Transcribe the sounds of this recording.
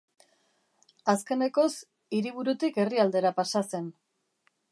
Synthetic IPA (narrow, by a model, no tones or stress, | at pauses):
aske̞ne̞ko̞s | iɾiβ̞uɾut̪ike̞riald̪e̞ɾapasase̞n